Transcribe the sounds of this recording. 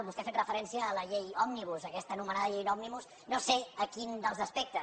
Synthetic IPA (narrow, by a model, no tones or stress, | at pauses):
βust̪efet̪rəfəɾɛnsiəːləʎejɔmniβ̞uzəkɛst̪ənumənaðəʎejnɔmniβus | noseəkind̪əlzəspɛk̚t̪ə